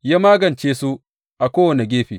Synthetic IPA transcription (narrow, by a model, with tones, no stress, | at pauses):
jaː˦maː˦ɡɐ˨nt͡ʃeː˦su˦ | ʔa˨kʷoː˦wɐ˨ne˨ɡʲeː˦ɸḭː˨